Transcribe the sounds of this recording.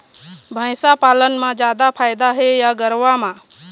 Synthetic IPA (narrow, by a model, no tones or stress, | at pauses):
bʱə̃ɪ̃sapaːlənmãd͡ʒjaːd̪apʰaːɪd̪aɦejaɡəɾʋamãː